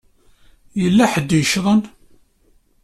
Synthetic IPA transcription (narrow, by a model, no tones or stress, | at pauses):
jəlːæħəd̪ːjəʃðˤən